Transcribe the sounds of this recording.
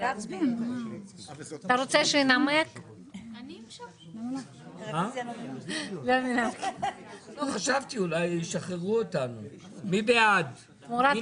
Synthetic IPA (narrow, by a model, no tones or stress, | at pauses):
at̪aɾot͡seʃenamak | naa | ma | laminaknoχaʃavt̪iulajiʃaχeʁuot̪anu | mibead̪ | moɾa